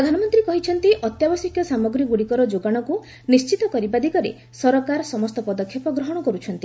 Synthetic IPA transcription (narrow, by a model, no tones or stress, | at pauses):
pɾɔd̪ʱanɔmɔnt̪ɾikɔɦit͡ʃʰɔnt̪iʔɔt̪jabɔsikʰjɔsamɔɡɾiɡuɽikɔɾɔd͡ʒoɡaɽ̃ɔku | nist͡ʃit̪ɔkɔɾibad̪ikɔɾḛ | sɔɾɔkaɾɔsɔmɔst̪ɔpɔd̪ɔkʰːjɔpɔɡɾɔɦɔɽ̃ɔkɔɾut͡ʃʰɔnt̪i